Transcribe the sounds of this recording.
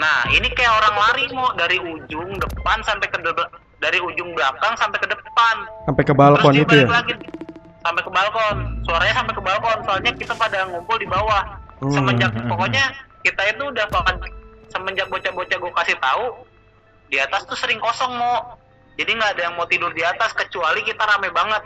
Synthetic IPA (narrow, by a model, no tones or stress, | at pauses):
nahinikajaoɾaŋlaɾimɔʔdaɾiud͡ʒʊŋdəpansampekədəb | daɾiud͡ʒʊŋblakaŋsampekədəpansampekəbalɾkɔnit̪ujaklaɡi | sampekəbalkɔnsuaɾaɲasampejkəbalkɔnsoalɲakit̪apadaŋumpʊldibawahsəməɲd͡ʒakpɔkoɲakit̪aɪnt̪uːdahbakat̪̚səməɲd͡ʒak̚bot͡ʃabot͡ʃaɡuakasɪht̪au | diat̪ast̪usəɾɪŋkɔsɔŋmɔ | d͡ʒadiŋɡaːdajaŋmot̪idʊrdiat̪askət͡ʃualikit̪aɾamajbaŋət̪̚